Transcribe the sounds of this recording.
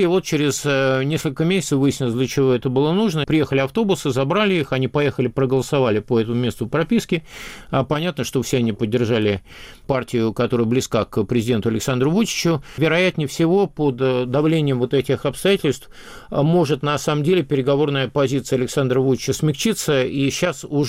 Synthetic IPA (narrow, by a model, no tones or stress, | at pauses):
ɪvo̞t̪̚t͡ɕeɾʲɪznʲeskəlʲkəmʲesʲɪ̥tsəfvɨjɪsʲnʲɪlˠəsʲdlʲət͡ɕɪvo̞ɛt̪əbɨlˠənuʐnəpɾʲɪje̞xəlʲɪɐft̪o̞bʊsɨzɐbɾalʲɪixɐnʲipɐje̞xəlʲɪpɾəɡəlˠəsɐvalʲɪpəɛt̪əmʊmʲe̞st̪əpɾɐpʲiskʲɪpɐnʲat̪nəʂt̪ofsʲeɐnʲipədʲːɪrʐalʲɪ | partʲɪjʊkɐt̪o̞ɾɨjəblʲɪskakpɾʲɪzʲɪdʲe̞nt̪ʊɐlʲɪksand̪ɾʊvut͡ɕɪ̥t͡ɕʊvʲɪɾɐjæt̪ʲnʲɪjfsʲɪvo̞pod̪ːɐvlʲenʲɪjəmvo̞t̪ɛtʲɪxɐpst̪ɐjatʲɪlʲst̪f | mo̞ʐɨt̪nɐsaməmdʲelʲɪpʲɪɾʲɪɡɐvo̞rnəjəpɐzʲit̪sɨjəɐlʲɪksand̪ɾəvut͡ɕɪt͡ɕəsmʲɪkt͡ɕit̪səiɕːasʊ